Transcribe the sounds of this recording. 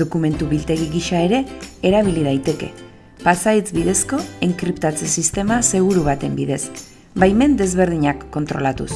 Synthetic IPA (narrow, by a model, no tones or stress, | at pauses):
o̞kume̞nt̪uβilt̪e̞ɣiɣiʃae̞ɾe̞ːɾaβ̞ilið̞ajt̪e̞ke̞̰ | pasait͡sbiðe̞sko̞eŋkɾipt̪at͡sesist̪e̞mase̞ɣ̞uɾuβat̪e̞mbiðe̞s | bajme̞nd̪e̞zβe̞ɾð̞iɲakːo̞nt̪ɾolat̪ṵs